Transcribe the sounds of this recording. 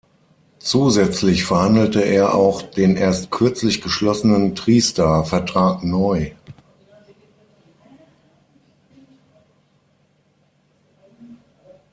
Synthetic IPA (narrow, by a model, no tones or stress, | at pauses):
t͡suːzɛt͡slɪçfɛɐhandl̩təʔeːɐʔa̰ʊxd̥eːnʔeːɐstkʰʏɐt͡slɪçɡ̥əʃlɔsənəntʁ̥iːstaːfɛɐtʁ̥aːknɔʏ